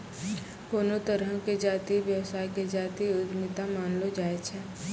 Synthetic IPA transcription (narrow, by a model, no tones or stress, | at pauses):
koːnot̪əɾəɦked͡ʒaːt̪iʋjəwsaːjked͡ʒaːt̪iʊd̪mɪt̪amaːnlod͡ʒaːet͡ʃʰɛː